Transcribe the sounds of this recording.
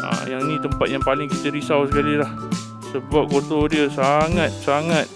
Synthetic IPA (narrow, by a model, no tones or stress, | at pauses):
a̰jaŋnĩt̪əmpat̪̚jaŋpalɪŋkit̪əɾisawsəkalilah | səbap̚kot̪odiəsaŋat̪̚saŋat̪̚